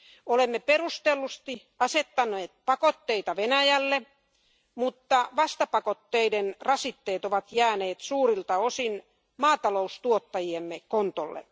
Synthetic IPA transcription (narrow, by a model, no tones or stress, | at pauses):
olemːeperust̪elːust̪i | ɑset̪ːɑnːˑeːt̪̚pɑkot̪ːeit̪ɑʋenæjælːe | mut̪ːɑʋɑst̪ɑpɑkot̪ːeidenrɑsit̪ːeːt̪oʋɑt̪jæːneːt̪suːrilt̪ɑosin | mɑːt̪ɑloust̪uot̪ːɑjiemːekont̪olːḛ